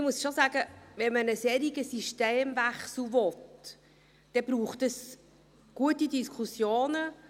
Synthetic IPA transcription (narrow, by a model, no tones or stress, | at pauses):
əmusʃozaːɡəvɛnmənəsɛːɾiɡəsiʃteːmvæχsl̩vɔt | d̥ɛb̥ɾuːχtəs | ɡ̥uətidiskʰusjoːnə